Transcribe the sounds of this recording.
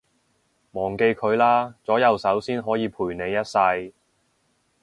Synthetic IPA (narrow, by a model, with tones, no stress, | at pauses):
mɔː˨˩ŋke˧jkʰɵ˨˧ɥlaː˥t͡sɔː˨˥jɐ˨˧wsɐ˨˥wsiː˥nɦɔː˨˥jiː˨˧pʰuː˨˩jne˨˧jːɐ˥t̚sɐ˧j